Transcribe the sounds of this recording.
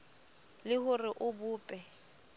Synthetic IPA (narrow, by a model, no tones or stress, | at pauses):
lɪhʊrɪʔʊbʊːpʼɛ